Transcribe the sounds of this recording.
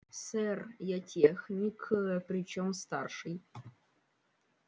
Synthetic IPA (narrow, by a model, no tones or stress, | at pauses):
sɛrjatʲexnʲikʰɨpɾʲit͡ɕomst̪arʂɨj